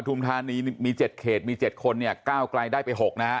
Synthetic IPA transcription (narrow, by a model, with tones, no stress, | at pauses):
t̪ʰu˧mt̪ʰaː˧niː˧˥miː˧t͡ɕe˨˩t̪̚kʰeː˨˩t̪̚miː˧t͡ɕe˨˩t̪̚kʰo˧nːi˥˩əkaː˥˩wkla˧jdaː˥˩jpa˧jɦo˨˩k̚na˦˥